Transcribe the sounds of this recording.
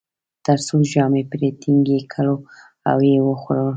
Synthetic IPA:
t̪aɾsulʒɑmepɾet̪ʰiŋɡekʰəlo | a̰wewəxɾəl

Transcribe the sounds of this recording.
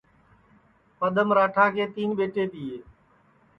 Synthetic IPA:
pəɗ̪əmɾaːʈʰaːkʰeːt̪iːnɓeːʈeːt̪iːeː

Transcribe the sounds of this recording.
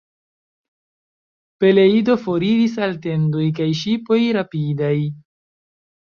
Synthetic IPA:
pe̞le̞ido̞fo̞ɾiɾis̬alte̞ndo̞jkajʃ̬ipo̞jɾapidaj

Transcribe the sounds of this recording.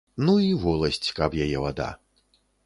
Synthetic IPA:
nuivɔlˠɐsʲt͡sʲkɐpjajɛvad̪a̰

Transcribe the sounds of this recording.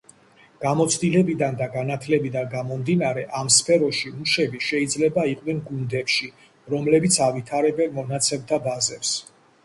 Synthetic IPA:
ɡ̥amɔt̪sʰd̪ilɛbid̪and̪aɡanat̪ʰlɛbid̪anɡamɔmd̪inaɾɛʔamspʰɛɾɔʃiuʃɛbiʃɛid̪zlɛbaiqʼnɛnɡund̪ɛpʃi | ɾɔmlɛbit̪sʰavit̪ʰaɾɛbɛlmɔnat̪sʰɛbd̪abazɛps

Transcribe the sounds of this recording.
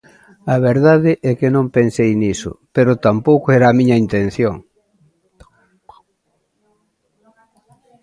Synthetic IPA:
ɐβeɾðaðɪʔɛkɪnõmpensejnisʊ̰peɾʊt̪ampowkʊɛɾaːmĩɲɐint̪en̟θjoŋ

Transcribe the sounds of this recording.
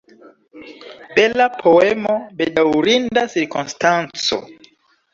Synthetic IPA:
belapʰo̞emo̞be̞dawɾindasiɾkunstant͡so̰

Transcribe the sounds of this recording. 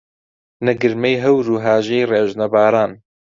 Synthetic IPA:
nɛɡɨɾmɛjɦɛwɾuːɦaːʒejreːʒnɐbaːɾaːn

